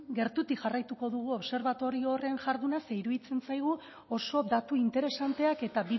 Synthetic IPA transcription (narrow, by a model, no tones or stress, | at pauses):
ɡe̞ɾt̪ut̪ikʝarajt̪uko̞ðuɣ̞uo̞βse̞ɾβat̪o̞ɾio̞re̞nʝaɾðunaseiɾuðit͡se̞nt͡sajɣ̞u | o̞so̞d̪at̪uint̪e̞ɾe̞sant̪eake̞t̪abi